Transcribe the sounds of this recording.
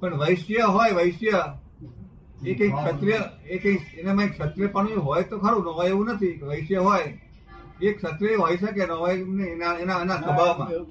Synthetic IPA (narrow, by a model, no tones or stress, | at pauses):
pəɳʋəjʃjəɦojʋəjʃjə | ekə̃ĩkʃət̪ɾijəekə̃ĩkenemãikʃət̪ɾijəpəɳ̃jũɦojt̪okʰaɽũnoɦojeʋũnət̪ʰikeʋəjʃjəɦoj | ekʃət̪ɾijəeɦojʃək̬enəɦɔjnenaenanasəbʱaʋmã̰